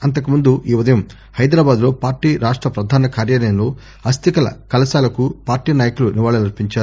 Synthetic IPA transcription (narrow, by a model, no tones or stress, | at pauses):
ɐnt̪̬ɐkumund̪uiːud̪ɐjɐm | hɐjd̪ɾaːbaːd̪lo̞ːpaːɾʈiːɾaːʂʈɾɐpɾɐd̪ʱaːnɐkaːɾjaːlɐjɐmlo̞ː | ɐst̪ʰikɐlɐ̰kɐlɐsaːlɐkupaːɾʈiːnaːjɐkuluniʋaːɭɐlɐɾpiɲt͡ʃaːɾ